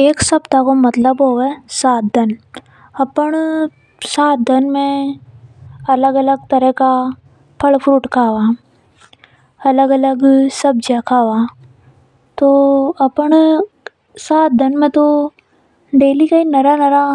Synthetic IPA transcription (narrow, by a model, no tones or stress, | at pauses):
eːksɐbt̪akomɐt̪ləbɦoːʋesaːt̪̚d̪ɐn | ɐpəɽ | saːt̪̚d̪ənmẽ | ɐləɡɐləɡt̪ɐɾəka | pʰɐlpʰɾuːʈkʰaːʋaː | ɐləɡɐləɡsɐb̚d͡ʒakʰaːʋaː | t̪oɐpəɳ | saːt̪̚d̪ɐnmẽt̪o | ɖeːlikainɐɾanɐɾa